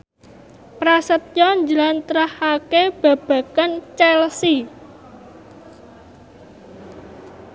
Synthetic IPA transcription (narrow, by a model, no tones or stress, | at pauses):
pɾasət̪̚ɲɔɲd͡ʒəlant̪ɾahakeb̥ä̤b̥ä̤kant͡ʃɛlsi